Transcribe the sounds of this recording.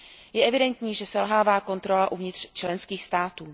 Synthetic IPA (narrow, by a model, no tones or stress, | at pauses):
jɛʔɛvɪdɛnt̪ɲiːʒɛsɛlɦaːvaːko̞nt̪ɾo̞laʔuvɲɪt̪r̝̥t͡ʃlɛnskiːxst̪aːt̪uː